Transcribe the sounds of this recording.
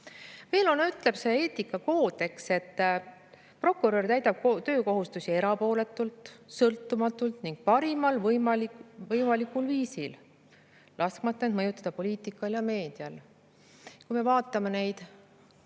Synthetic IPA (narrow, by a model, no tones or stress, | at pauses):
ve̞ːlo̞nyt̪ˑle̞pse̞ːe̞ːt̪ikːɑko̞ːd̪̥e̞kse̞t̪ː | pro̞kːuɾørt̪æjt̪ɑb̥̚kt̪ø̞ːko̞ɦust̪usie̞ɾɑpo̞ːle̞t̪ːˑult̪ˑsɤlt̪ːˑumɑt̪ːˑult̪niŋɡ̥̚pɑɾimɑlvjmɑlivɤjmɑlikːulviːsil | lʔɑskmɑt̪ːˑɑenmɤjut̪ːˑɑd̪̥ɑpo̞liːt̪ˑikːˑɑljɑme̞ːd̪̥iɑl | kujme̞vɑːt̪ːˑɑme̞ne̞jd̪̥